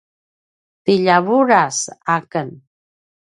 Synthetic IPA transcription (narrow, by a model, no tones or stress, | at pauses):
t̪iʎaβuɾasakən